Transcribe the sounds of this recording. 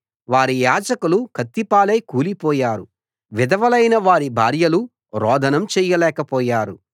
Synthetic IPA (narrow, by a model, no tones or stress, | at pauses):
ʋaːɾijaːd͡ʒɐkulukʰɐt̪ːipaːlɐjkuːlipɔːjaːɾu | ʋid̪ɐʋɐlɐjnɐʋaːɾibʱaːɾjɐlu | ɾɔːd̪ʱɐnɐmt͡ʃɛːjɐlɛːkɐpɔːjaːɾu